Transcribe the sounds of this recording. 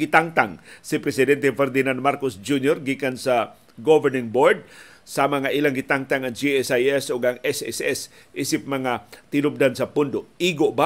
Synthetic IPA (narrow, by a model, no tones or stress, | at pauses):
ɡɪt̪aŋt̪aŋsɪpɾɛsɪd̪ɛnt̪ɛfɛɾd̪ɪnand̪̚maɾkosd͡ʒunjoɾɡikansa | ɡovɛnɪŋboɹd̪̚ | samaŋaʔilaŋɡɪt̪aŋt̪aŋɐŋd͡ʒiɛsajɛsoɡaŋɛsɛ̰sɛs | ʔiːsɪp̚mɐŋat̪ɪnʊp̚d̪ansɐpʊnd̪oʔiɡoʔba